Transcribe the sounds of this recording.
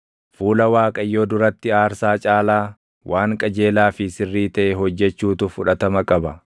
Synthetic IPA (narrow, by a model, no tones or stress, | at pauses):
fuːlɐwaːkʼɐjːo̞ːd̪ʊɾɐt̪ːɪaːɾsaːt͡ʃʼaːlaː | wʔaːŋkʼɐd͡ʒeːlaːfɪsɪrːiːt̪ɐʔɛɦɔd͡ʒːɛt͡ʃːuːt̪ʊfʊᶑɐt̪ɐmɐkʼɐbɐ